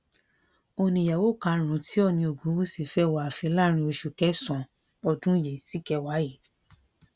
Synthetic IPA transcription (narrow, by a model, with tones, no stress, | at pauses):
o˧nĩ˧˨ja˨wo˦˨ka˧˦ɾ̃ũ˨˦ti˦ɔ˦˨nĩ˧o˨ɡũ˨˦wo˦si˦˨fɛ˦˨wa˨a˨fɛ˧˦la˦ɾ̃ĩ˧o˧ʃu˨kɛ˨˦sɔ̃˨ | ɔ˧dũ˦je˨si˨˦kɛ˧wa˨˦ji˦˨